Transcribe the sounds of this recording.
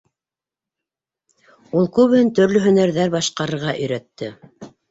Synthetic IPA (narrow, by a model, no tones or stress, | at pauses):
ulˠkʉβhɘnt̪ɵ̆ɾlɵɦɵ̆næɾðæɾbɑʃqɑɾɤ̆ɾʁɑʔɵ̆jɾæt̪ːɘ